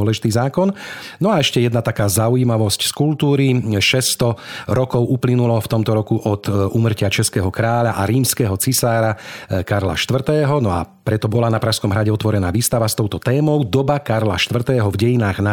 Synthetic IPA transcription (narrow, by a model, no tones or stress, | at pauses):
ɔlɛʒit̪iːzaːkɔnnɔaɛʃcɛjɛd̪nat̪akaːzaujimaʋɔscskult̪uːɾiʃɛst̪ɔɾɔkɔʊuplinulɔft̪ɔmt̪ɔɾɔkuʔɔt̪ʔuːmr̩cɪat͡ʃɛskɛːɦɔkɾaːʎaʔaɾiːmskɛːɦɔt͡sisaːɾakaɾla̰ʃt̪ʋr̩t̪ɛːɦɔnɔa̰pɾɛt̪ɔbɔlanapɾaʃskɔmɦɾaɟɛɔt̪ʋɔɾɛnaːʋiːst̪aʋast̪ɔʊt̪ɔt̪ɛːmɔʊd̪ɔbakaɾlaʃt̪ʋr̩t̪ɛːɦɔvɟɛjinaːɣna